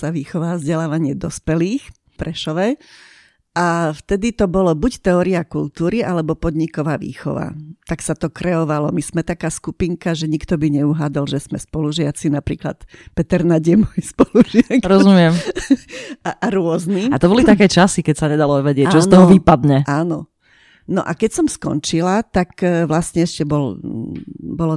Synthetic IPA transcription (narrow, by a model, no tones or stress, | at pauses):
saʋiːxɔʋavzɟɛlaːʋaɲɪɛd̪ɔspɛliːx | pɾɛʃɔʋɛ | ʔaft̪ɛd̪it̪ɔbɔlɔbuct̪ɛɔːɾiakult̪uːɾiʔalɛbɔpɔd̪ɲikɔʋaːʋḭːxɔ̰ʋa̰t̪aksat̪ɔkɾɛɔʋalɔmiz̥mɛt̪akaːskupiŋkaʒɛɲikt̪ɔbiɲɛuɦaːd̪alʒɛsmɛspɔluʒɪat͡sinapɾḭːkla̰t̪pɛt̪ɛɾnaɟɛmɔjspɔluʒɪakɾɔzumɪɛm | aʔaɾʊɔzniat̪ɔbɔlit̪akɛːt͡ʃasikɛcsaɲɛd̪alɔʋɛɟɪɛc̚ːt͡ʃɔssnɔɦɔʋipad̪ɲɛʔaːnɔ | nɔ̰ʔakɛcsɔmskɔ̰nt͡ʃilat̪akʋlasɲɛɛʃcɛbɔl | bɔlɔ